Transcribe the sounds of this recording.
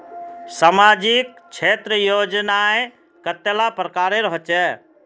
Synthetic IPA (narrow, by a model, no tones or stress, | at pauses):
samaːd͡ʒik̚t͡ʃʰet̪ɾəjoːd͡ʒnae | kət̪ːelapɾəkaːɾeɾɔɦt͡ʃɛ